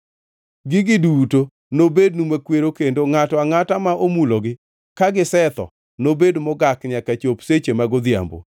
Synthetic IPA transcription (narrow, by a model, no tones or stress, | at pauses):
ɡɪɡɪduto | nobednumwekweɾokendoŋatɔaŋatamaʔomuloɡɪ | kaɡɪsɛt̪ɔ̰ | nobedmɔɡakɲakat͡ʃopset͡ʃemaɡod̪ja̰mbo̰